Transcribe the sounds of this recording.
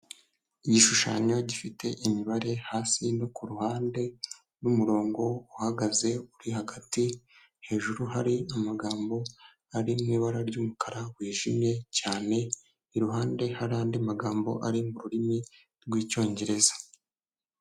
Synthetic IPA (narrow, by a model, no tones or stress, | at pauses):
iɟiʃuʃa̰ɲo̞ɟifitʰe̞ʔimiβaɾe̞haːsino̞kuɾuhaːnde̞ | numuɾo̞ːŋɡo̞uhaɡaze̞uɾihaɡati | he̞ːʒuɾuhaɾiamaɡaːmbo̞ | aɾimŋiːβaɾaɾɟumukaɾawiːʒimje̞caːne̞ | iɾuɦaːnde̞haɾaːndiamaɡaːmbo̞̰ʔaɾimuɾuɾimi | ɾɡwiːco̞ːɲɟe̞ɾe̞zḁ